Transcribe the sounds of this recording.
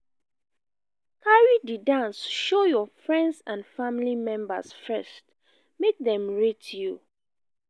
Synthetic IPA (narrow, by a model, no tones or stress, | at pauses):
kʰaɹididãnsʃojɔfɹɛ̃ndsãnfamlimɛ̃mba̰sfɛst | mek̚dɛ̃mɹitju